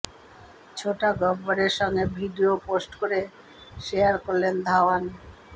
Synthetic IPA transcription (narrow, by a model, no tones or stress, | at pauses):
t͡ɕʰoʈaɡɔbbaɾeɾʃɔŋɡebʱiɖioposʈkoɾe | ʃeaɾkoɾlend̪ʱaoan